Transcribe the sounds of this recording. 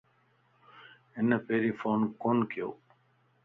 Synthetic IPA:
ɪnəpeːɾiːfoːnkoːnkɪjo̰ː

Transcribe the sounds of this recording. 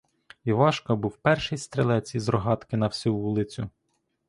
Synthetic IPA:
iʋɑʃkɔbuwpɛrʃɪjst̪ɾelˠɛt͡sʲizrɔɦɑt̪kɪnɐwsʲuʋulˠɪt͡sʲʊ

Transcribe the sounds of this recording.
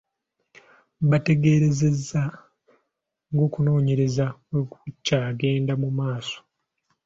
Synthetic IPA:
βate̞ɡe̞ːɾe̞ze̞zːa | ŋɡo̞ːkuno̞ːɲe̞ɾe̞zakwe̞kucːaːɡe̞ːndamumaːso̥

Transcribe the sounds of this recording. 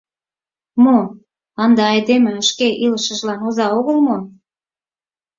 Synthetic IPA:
mo | ɑnd̪ɑɑjd̪emĕəʃkeʔiləʃə̆ʒlɑnozɑoɣəlmo

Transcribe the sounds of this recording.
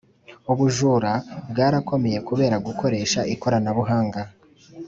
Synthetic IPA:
uβuʒuːɾabɡaːɾako̞me̞je̞kuβe̞ːɾaɡuko̞ɾe̞ːʃaʔiko̞ɾanaβuɦaːŋɡa

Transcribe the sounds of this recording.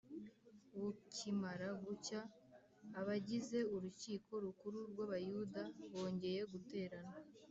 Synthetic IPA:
βucimaɾaɡucaː | βaɟize̞uɾuciːkʰo̞ɾukuɾuɾɡwaβajudaβo̞ːɲɟe̞je̞ɡute̞ːɾana

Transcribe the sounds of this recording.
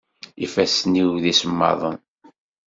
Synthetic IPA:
ifæsniwðisəmːɑ̰ðˤən

